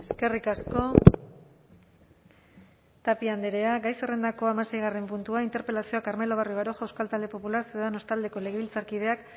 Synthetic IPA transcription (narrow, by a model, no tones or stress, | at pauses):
e̞ske̞rikasko̞ | t̪apiand̪eɾe̞aɡajse̞re̞nd̪ako̞amase̞jɣ̞are̞mpunt̪uaint̪e̞ɾpe̞lasioakaɾme̞lo̞β̞arjoβaɾoʝawskalt̪ald̪e̞po̞pulaɾseuðano̞st̪ald̪e̞ko̞le̞ɣ̞eβilt͡saɾkið̞e̞ak